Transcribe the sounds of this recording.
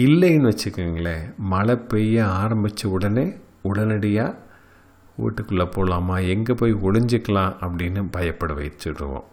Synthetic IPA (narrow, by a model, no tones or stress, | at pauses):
ilːɐjnːʋɐt͡ɕːɐkːɐŋːɡɐɭemɐlɐpːejjɐaːɾɐmbit͡ɕːɐʊɽɐne | ʊɽɐnɐɽɐjaː | ṵːʈːɯkːuɭːɐpːoːɭaːmaːɛŋɡepoːjɔɭɐɲd͡ʒikːɐɭãːʔɐpːɐɽinːɨbʱɐjɐpːɐɽɯʋɐ̰jtːɯɽːɯ̰ʋo̰ːm